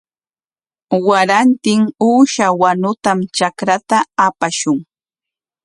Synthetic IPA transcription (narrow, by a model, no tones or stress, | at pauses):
waɾant̪ɪŋuːʃawanʊt̪amt͡ʃakɾat̪aːpaʃʊŋ